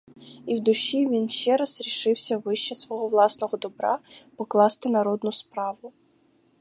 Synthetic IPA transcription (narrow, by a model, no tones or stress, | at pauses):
iwd̪ʊʃiʋʲinʃt͡ʃɛɾɐzɾʲiʃɪwsʲɐʋɪʃt͡ʃɛsʋɔɦɔʋlˠɑsnɔɣɔd̪ɔbɾɑ̰pɔklˠɑst̪ɪnɐɾɔd̪nʊspɾɑʋʊ